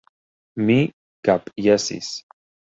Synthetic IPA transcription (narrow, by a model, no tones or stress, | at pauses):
mi | kapʼjasḭs